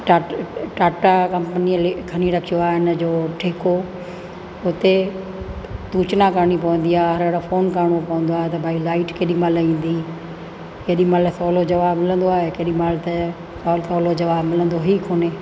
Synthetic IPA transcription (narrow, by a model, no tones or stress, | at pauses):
ʈaːʈaːʈakɐ̃mpənilkʰɐniɾɐkʰijoaːɦɪn̆d͡ʑoːʈʰeːko | ʊt̪e | t̪uːt͡ɕnakəɾɽ̃ip̬ɐʋə̃nd̪iaːɦɦɐɾeɽofoːnkɐɾɳ̃opɐʋə̃nd̪oaːɦet̪ɐbʱaːilaːɪʈkeːɗĩmaːlĩːnd̪i | keːɗĩmaːlsɔːlod͡ʑɐʋaːbmɪlə̃nd̪oaːɦekeɗĩmaːlt̪e | sɔːlsɔːlod͡ʑɐʋaːbmɪlə̃nd̪oɦiːkoːneː